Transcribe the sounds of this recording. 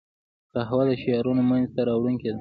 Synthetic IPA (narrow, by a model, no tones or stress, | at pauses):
kaɦawad̪əʃijɑɾunomanzt̪aɾɑwɽuŋked̪a